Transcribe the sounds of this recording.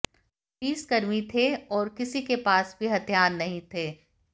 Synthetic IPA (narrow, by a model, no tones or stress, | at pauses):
iːskɐɾmit̪ʰeɔːɾkɪsikepaːsbʱiɦɐt̪ʰjaːɾnɐɦĩt̪ʰeː